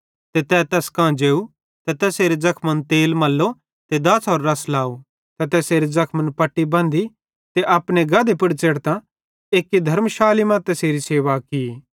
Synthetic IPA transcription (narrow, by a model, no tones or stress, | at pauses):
t̪et̪ɛːt̪ɛːskãːd͡ʒeːu | t̪ɛt̪ɛːseːɾed͡zɐkʰmənt̪eːlmɐlːo | t̪ed̪ɐsɔːɾːɐslaːu | t̪ɛt̪ɛːseːɾezɐkʰmənpɐʈːibɐ̃ːnd̪i | t̪eʔɐpneɡɐd̪epɪɽt͡ʃeːɽt̪ã | eːkːid̪ʱɐɾmʃaːlimãt̪ɛːseːɾiseːʋaki